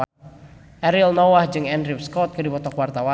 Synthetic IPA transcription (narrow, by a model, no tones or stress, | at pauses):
ʔɛɾilnɔwahd͡ʒɨŋɛndɾiwskɔt̪̚kɨrdipɔt̪ɔkwart̪awa